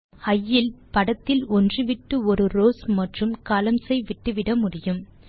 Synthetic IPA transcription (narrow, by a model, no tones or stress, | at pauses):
ɐjːɪlpɐɽɐt̪ːɪlɔndrɯʋɪʈːɯɔɾɯɾoːsmɐʈrɯmkɐːlɐmsɐɪʋɪʈːɯʋɪɽɐmʊɽɪjɯm